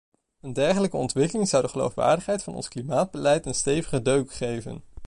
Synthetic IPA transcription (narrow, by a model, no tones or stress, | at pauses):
əndɛɹχələkəɔntʋɪkəlɪŋzɑwdəχəlo̰wfʋa̰ːɹdəχɦɛjtfɑnɔ̰nsklimaːd̚bəlɛjtənstejvəχədøɥkχejvə̰n